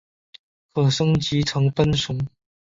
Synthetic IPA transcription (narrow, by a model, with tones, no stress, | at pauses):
kʰɤ˨˩ʂɤ˥ŋt͡ɕi˧˥t͡sʰɤ˧˥ŋpə˥nʂʊ˧˥ŋ